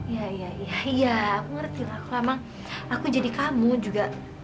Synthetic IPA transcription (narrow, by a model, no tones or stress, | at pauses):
ijaijaijaijaːkuŋərt̪ilakuamaŋ | akud͡ʒadikamud͡ʒuɡaʔ